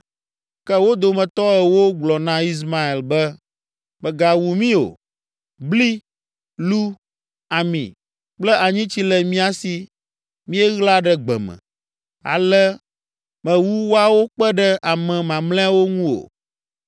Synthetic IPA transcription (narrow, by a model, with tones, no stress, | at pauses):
kɛ˦wo˦d̪o˨mɛ̃˨t̪ɔ˦ɛ˨wo˦ɡ͡blɔ˨nã˦i˦s̬ma˦e˨lbɛ˦ | mɛ̃˨ɡa˨wu˨mĩ˦o̰˨ | bli˦ | lu˦ | a˨mḭ̃˨ | k͡plɛ˦ʔa˨ɲĩ˦t͡ɕi˦lɛ˨mĩ˦a˨si˨ | mĩ˦ɛ˦ɣla˦ɖɛ˨ɡ͡bɛ̰˨mɛ̰̃˨ | a̰˨lɛ˦ | mɛ̃˨wu˦wo˦a˦wo˦k͡pɛ˦ɖɛ˦ʔa˨mɛ̃˨mã˨mlɛ̃˦a˦wo˦ŋũ˦o̰˨